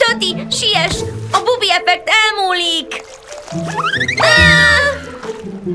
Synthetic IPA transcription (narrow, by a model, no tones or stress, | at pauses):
t̪øt̪iʃijɛʃɒbubiɛpɛk̚t̪ɛlmuːlik